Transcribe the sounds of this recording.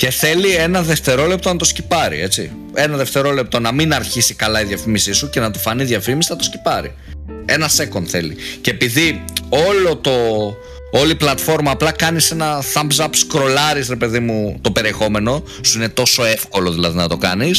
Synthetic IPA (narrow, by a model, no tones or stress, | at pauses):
ce̞θe̞lie̞nɐðe̞ft̪e̞ɾo̞le̞pt̪onɐt̪o̞scipɐɾḭe̞t͡sḭ | e̞nɐðe̞ft̪e̞ɾo̞le̞p̚t̪o̞nɐminɐɾçisikɐlɐiðjɐfimisisuce̞nɐt̪ofɐniðʝɐfimisi̥nɐt̪oscipɐɾḭ | e̞nɐse̞ko̞nθe̞lḭcpiðio̞lo̞t̪o̞ | oliplɐt̪fo̞ɾmɐːplɐkɐnise̞nɐθɐmbzɐpskɾo̞lɐɾisɾe̞pe̞ðimut̪o̞pe̞ɾiexo̞me̞no̞ | suine̞t̪o̞so̞e̞fko̞lo̞ðilɐðinɐt̪o̞kɐnis